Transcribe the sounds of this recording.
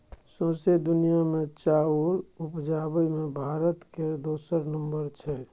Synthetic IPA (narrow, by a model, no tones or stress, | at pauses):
sõːsed̪ʊnijamẽt͡ʃaːuɾʊpd͡ʒaːbəimẽbʱaːɾət̪ked̪oːsəɾnə̃mbəɾt͡ʃʰɛː